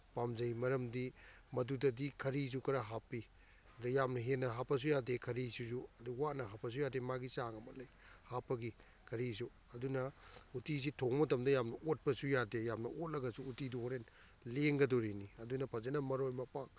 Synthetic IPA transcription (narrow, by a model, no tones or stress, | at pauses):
pamzɐjmɐɾɐmdimɐdudɐdikʰɐɾis̬ukɐɾaɦapi | ɐdujamnɐɦenɐɦapːɐs̬ujadekʰɐɾisuzuɐduwanɐɦapːɐs̬ujademaɡisaŋɐmɐlɐjhapːɐɡi | kʰɐɾizu | ɐdunɐutis̬itʰoŋmɐtɐmdɐjamnɐʔot̚pɐsujadejamnɐot̚lɐɡɐsuːtiduoɾen | leŋɡɐdoɾiniɐdunɐpʰɐzɐnɐmɐɾojmɐpaŋ